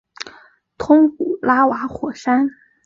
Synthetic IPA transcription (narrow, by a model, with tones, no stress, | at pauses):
t̪ʰʊ˥ŋpu˨˩la˥wa˧˥xwɔ˨˩ʂa˥n